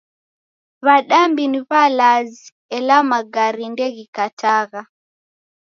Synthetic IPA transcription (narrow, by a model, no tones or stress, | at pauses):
βaɗambiniβalazi | ɛlamaɡaɾindɛɣikatʰaɣa